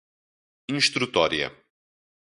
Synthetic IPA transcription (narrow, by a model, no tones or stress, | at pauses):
ĩʃt̪ɾut̪ɔɾiɐ̰